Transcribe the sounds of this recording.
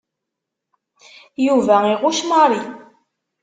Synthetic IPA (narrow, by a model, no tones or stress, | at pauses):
juvæiʁʊʃmɑɾˤi